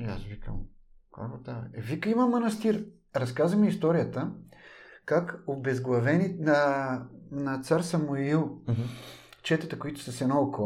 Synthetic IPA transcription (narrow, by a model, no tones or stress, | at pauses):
a̰svikə̰mka̰bot̪aɛvikəimɐmɐnɐst̪iɾ | ɾɐskazvəmɛist̪ɔɾijət̪ə | kakobɛzɡlˠɐvɛninɐ | nɐt̪saɾsɐmuilˠ | t͡ʃɛt̪ət̪əkoit̪ʊ̥sɐsɛnɔoko